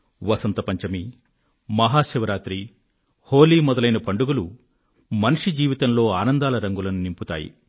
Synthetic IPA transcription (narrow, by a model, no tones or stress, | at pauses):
ʋɐsɐnt̪ɐpɐɲt͡ʃɐmi | mɐɦaːʃiʋɐɾaːt̪ɾi | hoːliːmɔd̪ɐlɐjnɐpɐɳɖuɡulu | mɐnuʂid͡ʒiːʋit̪ɐmlo̞ːaːnɐnd̪aːlɐɾɐŋɡulɐnunimput̪a̰ːjḭ